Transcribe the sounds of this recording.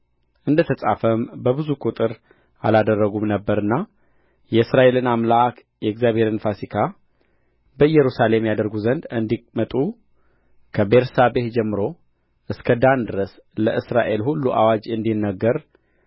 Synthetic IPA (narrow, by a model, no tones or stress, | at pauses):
ʔɨnd̪ət̪ʰəsʼafəmbəbɨzukʼut̪ʼɨɾ | a̰lad̪ərːəɡumnəbːəɾɨnːa | jɛɨsɾaʔe̞lɨnamlaʔak | jɛɪɡzjaβhe̞ɾɨnfasikʰa | bəjɛɾusale̞mjad̪əɾɡuzənd̪ɨnd̪imət̪ʼu | kʰəbeɾsabehd͡ʒɛmːɨɾo̞ | ʔɨskʰəd̪and̪ɨɾəs | ləʔɨsɾaʔe̞lhulːuʔa̰wad͡ʒɨnd̪inːəɡːəɾ